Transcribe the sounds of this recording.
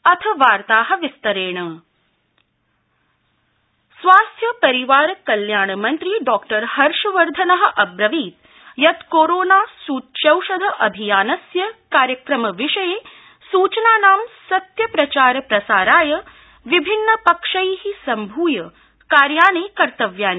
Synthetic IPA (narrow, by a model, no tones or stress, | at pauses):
ɐt̪ʰɐʋaːɾt̪aːɦɐ̆ʋist̪ɐɾeːɳ̃ɐ | sʋaːst̪ʰjɐpɐɾiʋaːɾɐkɐljaːɳmɐnt̪ɾiːɖɔːkʈɐɾhɐɾʂɐʋɐɾd̪ʱɐnɐɦɐ̆ʔɐbɾɐʋiːt̪ | jɐt̪koːɾoːnaːsuːt̪t͡ʃɐwʃɐd̪ʱɐʔɐbʱijaːnɐsjɐkaːɾjəkɾɐmɐʋiʂɐjeː | suːt͡ʃnaːnaːmsɐt̪jɐpɾɐt͡ʃaːɾpɾɐsaːɾaːjɐ | ʋibʱinːɐpɐkʂɐjɦisɐmbʱuːjɐ | kaːɾjaːɳiːkɐɾt̪ɐʋjaːni